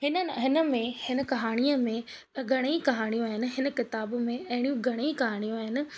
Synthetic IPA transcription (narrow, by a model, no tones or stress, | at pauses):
hɪnəɦɪnə̆mẽhɪnə̆kɐɦaːɽ̃iəmẽ | ɡʱɐɽ̃eikɐɦaːɽ̃ijũaːɦɪnɪ̆ɦɪnə̆kɪt̪aːbmẽɐɦɪɽ̃ijũɡʱɐɽ̃ikɐɦaːɽ̃ijũaːɦɪnɪ̆